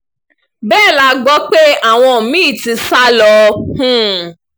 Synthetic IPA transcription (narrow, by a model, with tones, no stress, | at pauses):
bɛː˦˨la˧ɡ͡bɔ˨˦k͡pe˦a˦˨w̃ɔ̃˧˨mĩ˦˨ti˧˦sa˦lɔ˧hũ˦˨